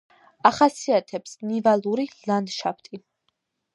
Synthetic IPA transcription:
aχasiat̪ʰɛpsnivalˠuɾilˠand̪ʃapʰt̪ʼi

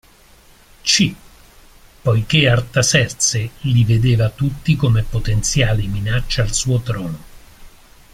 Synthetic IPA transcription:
t͡ʃi | pːɔjk̟eart̪asɛrt̪selived̪eːvat̪ut̪ːikomepːot̪ent̪sjaːliminat͡ʃːaalsuːot̪ɾɔːno

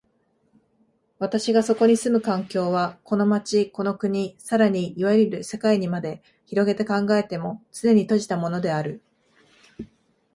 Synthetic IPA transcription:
βat̪aɕiɡaso̞ko̞ɲ̟isɨmɯ̟kãŋkʲo̞ːβako̞no̞mat͡ɕiko̞no̞kɯ̟ɲ̟isaɾaɲ̟iiβaɾiɾɯ̟se̞kaiɲ̟imad̪e̞ | çiɾo̞ɡe̞t̪e̞kãŋɡae̞t̪e̞mo̞t͡sɨne̞ɲ̟it̪o̞ʑi̥t̪amo̞no̞d̪e̞aɾɯ̟

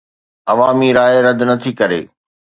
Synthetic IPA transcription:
ɐʋaːmiɾaːeɾɐd̪ʱnɐt̪ʰikɐɾḛː

